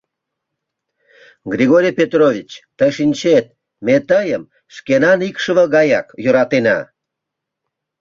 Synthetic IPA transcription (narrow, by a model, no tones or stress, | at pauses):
ɡɾʲiɣoɾʲijpʲet̪rovʲit͡ɕt̪əʃinʲt͡ɕet̪̚ | met̪əjəm | ʃkenɑnikʃəβəɣɑjɑkjøɾɑt̪enɑ̰